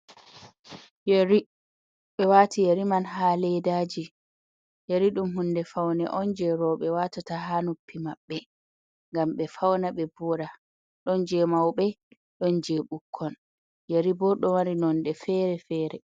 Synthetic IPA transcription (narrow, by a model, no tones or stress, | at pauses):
jaɾi | ɓɛwaːtijaɾimanɦaːlɛdaːd͡ʒi | jaɾiɗumɦundɛfawnɛ̰ʔɔnd͡ʒɛɾɔɓɛwaːtataɦanupːimaɓːɛ | ŋɡamɓɛfawnaɓɛbɔɾa | ɗɔnd͡ʒɛmawɓɛ | ɗɔnd͡ʒɛɓukʰːɔn | jaɾibɔɗɔwaɾinɔnɗɛfɛːɾɛfɛːɾɛ